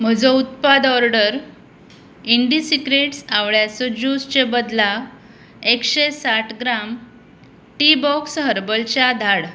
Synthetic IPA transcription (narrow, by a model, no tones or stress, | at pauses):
m̤əd͡zəut̪̚pad̪ɔɾɖəɾ | iɳɖisikɾeʈsaʋɭjat͡sɔd͡ʑust͡ɕebəd̪la | ekɕesaʈʰɡɾam | ʈibɔksɦəɾbəlt͡ɕjad̪ʱaɽ